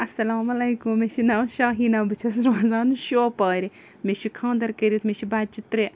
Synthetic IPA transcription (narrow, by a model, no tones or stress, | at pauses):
ɐsːɐlaːmɐlɐjkummeʃinaːwʃaːɦinɐːbɨt͡ʃʰɐs̬ɾomɐzaːnuʃoːpaːɾi | meʃikʰãːnd̪ɐɾkɐɾit̪meʃibaːd̪̚t͡ʃit̪ɾe